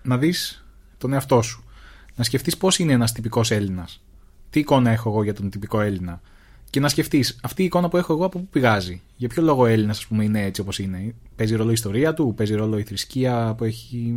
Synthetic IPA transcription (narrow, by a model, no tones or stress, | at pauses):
nɐðis | t̪o̞ne̞ɐft̪o̞su̥nɐsce̞ft̪ispo̞sineenɐst̪ipiko̞se̞linɐs | t̪iːko̞nɐe̞xo̞eɣo̞ʝɐt̪o̞nt̪ipiko̞e̞linɐ | ce̞nɐsce̞ft̪isɐft̪iːko̞nɐpue̞xo̞eɣoɐpo̞pupiɣɐzi | ʝɐpço̞lo̞ɣo̞e̞linɐsɐspume̞ine̞et͡sio̞po̞sine̞pe̞ziɾo̞loist̪o̞ɾiɐt̪upe̞ziɾo̞lo̞iθɾisciɐpue̞çi